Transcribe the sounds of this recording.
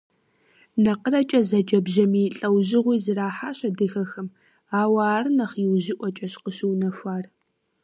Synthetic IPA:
nɐqərɐt͡ʃʼɐzɐd͡ʒɐbʑɐmiːɬʼɐwʑɪʁʷiːzɨraːħaːɕɐdɨxɐxɨm | aːwɐːrɨnɐχjɪwʑɪʔʷɔt͡ʃʼɐɕqəɕɪwnɐfʷaːr

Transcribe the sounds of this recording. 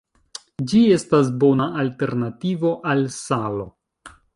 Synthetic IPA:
d͡ʒie̞stas̬bo̞naːlte̞ɾnativoʔalsalo̞

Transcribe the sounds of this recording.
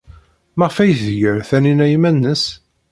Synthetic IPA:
mæʁfæjðjəɾθæninæjəmænːəs

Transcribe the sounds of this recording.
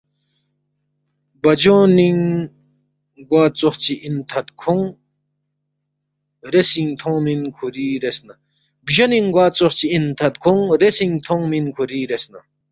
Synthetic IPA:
bɐd͡ʑõːniŋ | ɡwaːt͡soχt͡ɕiʔint̪ʰɐt̪kʰoŋ | ɾesiŋt̪ʰõŋminkʰuɾiɾesna | bʑɐniŋɡwat͡soχt͡ɕiːnt̪ʰɐt̪̚kʰoŋɾesiŋt̪ʰoŋminkʰuɾiːɾesna

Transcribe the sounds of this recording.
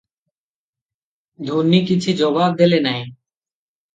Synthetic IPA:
d̪ʱuːniːkɪt͡ʃʰiːd͡ʒoʋaːb̚d̪eːleːnaːɦĩː

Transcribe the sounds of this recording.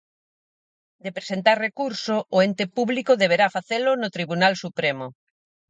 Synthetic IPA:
d̪epɾe̥sent̪aɾrekuɾsʊʔːent̪epuβlikʊðeβ̞eɾafaθelʊnʊt̪ɾiβunalsupɾemʊ

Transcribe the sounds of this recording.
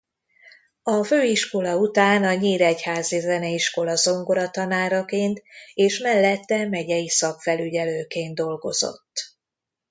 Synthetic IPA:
ɒføːiʃko̞lɒut̪aːnɒɲiːɾɛchaːzizɛnɛiʃko̞lɒzo̞ŋɡoɾɒt̪ɒnaːɾɒkeːnt̪eːʃmɛlːɛt̪ːɛmɛɟɛjisɒkfɛlyɟɛløːkeːnd̪d̪o̞lɡo̞̰zo̰t̪ː

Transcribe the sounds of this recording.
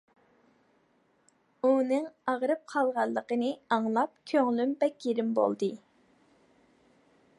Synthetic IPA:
unɨŋɑʁɾɨp̚qʰɑlˠʁɑlˠːəqənɨɑŋlˠɑp̚kʲʰøŋlymbɛkʲjeɾɪmbo̰lˠd̪ɨ

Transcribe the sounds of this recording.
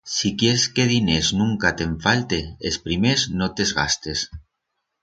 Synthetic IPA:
sikjeske̞ðineznũŋkat̪e̞ɱfalt̪eespɾimeznot̪e̞zɣ̞ast̪e̞s

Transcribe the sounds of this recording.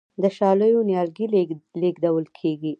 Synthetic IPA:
d̪əʃɑləjonjɑlɡileɡd̪awəlkʰeɡi

